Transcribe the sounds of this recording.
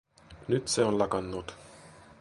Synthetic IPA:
nyt̪seonlɑkɑnːut̪

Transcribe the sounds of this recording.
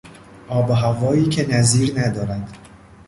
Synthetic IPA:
ʔɒːbeɦævɒːiːcʰenæziːɾnæd̪ɒːɾænd̪̥

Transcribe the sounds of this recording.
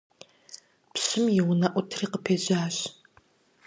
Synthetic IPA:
pɕɪmjɪwnɐʔʷʊtʰriːqəpʰeːʒaːɕ

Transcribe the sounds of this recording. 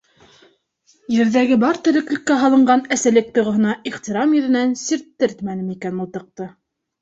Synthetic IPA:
jɘ̆ɾðæɡɘbɑɾt̪ɘ̆ɾɘ̆klɘ̆kːæɦɑlˠɤ̆ɴɢɑnæsælɘk̚t̪ŏʁŏɦɤ̆nɑiχt̪iɾɑmjɵ̆ðɘ̆nænsiɾt̪ːɘɾt̪mænɘmikænŭlˠt̪ɤ̆q̚t̪ɤ

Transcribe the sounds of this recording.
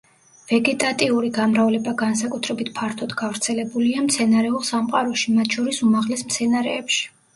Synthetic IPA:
v̥ɛɡɛt̪ʼat̪ʼiuɾiɡamɾavlɛbaɡans̬akʼut̪ʰɾɛbit̪ʰpʰaɾt̪ʰɔd̪ɡavɾt̪sʰɛlɛbuliamt̪sʰɛnaɾɛulˠsamqʼaɾɔʃimat̪ʰʃɔɾisumaʁlɛsmt̪sʰɛnaɾɛːpʃi̥

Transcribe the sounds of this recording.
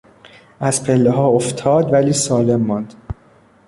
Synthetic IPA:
ʔæz̥pʰelːeɦɒːoft̪ʰɒːd̪væliːsɒːle̞mːɒːnd̪̥

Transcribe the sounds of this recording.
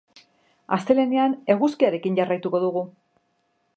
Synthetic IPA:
a̰st̪e̞le̞neane̞ɣuskiaɾe̞kinɟarajt̪uko̞ðuɣu

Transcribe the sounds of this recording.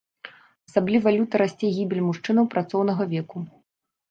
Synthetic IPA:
ɐsablʲivalʲut̪ɐɾasʲt͡sʲɛɣʲibʲilʲmuʂt͡ʂɨnɐwpɾat̪sɔwnɐɣɐvʲɛku

